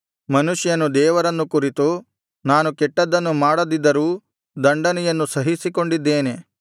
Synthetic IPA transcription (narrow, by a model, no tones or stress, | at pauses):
mɐnuʃjɐnud̪ɛːʋɐɾɐnːukuɾit̪u | naːnukɛʈːɐd̪ɐnːumaːɽɐd̪id̪ːɐɾuː | d̪ɐɳɖɐnɛjɐnːusɐɦisiko̞ɳɖid̪ːeːne̞